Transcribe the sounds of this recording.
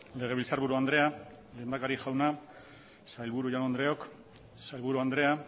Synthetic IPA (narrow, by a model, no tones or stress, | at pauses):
le̞ɣe̞ilsaɾβuɾuand̪ɾe̞a | le̞ːnd̪akaɾiʝawna | sajlβuɾuʝanond̪ɾe̞o̞k | sajlβuɾuand̪ɾe̞a